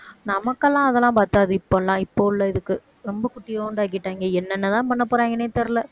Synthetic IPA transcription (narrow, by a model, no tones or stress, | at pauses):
nɐmɐkːɐlːãːɐðɛlãːpaːɾt̪aːðɯɪpːoːlːãːɪpːoːɪlːɐɪðɯkːɯ | ɾɔmbɐkʊʈːɪjoɳɖaːk̬ɪʈːaːŋɡɐɛnːɐnːɐt̪ãːpɐɳːɐpoːɾaːŋɡɐneːt̪ɐɾɪlɐ